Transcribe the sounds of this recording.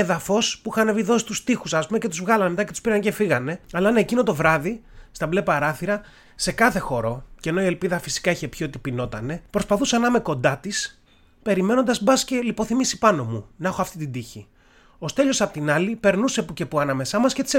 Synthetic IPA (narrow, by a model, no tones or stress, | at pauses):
eðɐfo̞spuixɐne̞viðo̞si̥t̪ust̪ixusɐspume̞ce̞t̪uzvɣɐlɐnemet̪ɐcet̪u̥spiɾɐnece̞fiɣɐne̞ɐlɐɐnɐecinot̪o̞vɾɐðist̪ɐblepɐɾɐθiɾɐ | se̞kɐθe̞xo̞ɾo̞ceno̞ie̞lpiðɐfi̥si̥kɐiçe̞pço̞t̪ipino̞t̪ɐne̞pɾo̞spɐθusɐnɐmeko̞nd̪ɐt̪is | pe̞ɾime̞no̞nd̪ɐzbɐsce̞lipo̞θimisi̥pɐno̞munɐxoɐft̪it̪id̪içi | o̞st̪e̞ʎo̞sɐpot̪inɐlipe̞ɾnusepucepuɐnɐme̞sɐmɐsce̞t̪i̥se